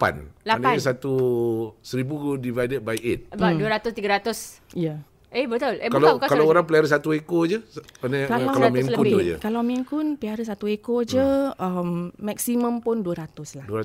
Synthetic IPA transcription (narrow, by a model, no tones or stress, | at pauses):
pa̰nlaanasat̪u | səɾibukdivajdəd̚bajet̪̚aduəɾat̪ʊst̪iɡaɾat̪ʊs | jə | ebət̪ʊlekalakakallawoɾaŋpəliaɾəsat̪uekod͡ʒəanəkalaalamĩŋkut̪ud͡ʒə̰kalawmiŋkʊnpiaɾəs̬at̪uekod͡ʒəəmːɛk̚simə̃mpʊnduəɾat̪ʊslahduaa